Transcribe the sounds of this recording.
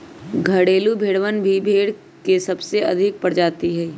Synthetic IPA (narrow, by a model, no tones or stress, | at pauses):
ɡʱɐɽeːlubʱeːɽʋənbʱibʱeːɽ | kesɐbseɐ̰d̪ʱɪk̚pɐɽd͡ʒaːt̪iɦɛː